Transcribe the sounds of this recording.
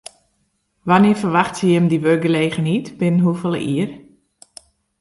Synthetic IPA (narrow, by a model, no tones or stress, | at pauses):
ʋanɪəfərʋaxtsəjɪmdiʋøɡəleːɣənitb̥ɪnənɦufəlˠə̰ʔiər